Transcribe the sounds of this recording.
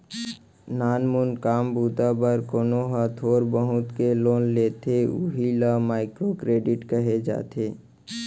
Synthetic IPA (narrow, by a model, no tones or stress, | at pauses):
naːnmʊnkaːmbuːt̪abəɾkoːnoɦat̪ʰoːɾbəɦʊt̪keloːnleːt̪eʊɦilamaːɪkɾokɾeːɖɪʈkəɦed͡ʒa̰ːt̪ʰeː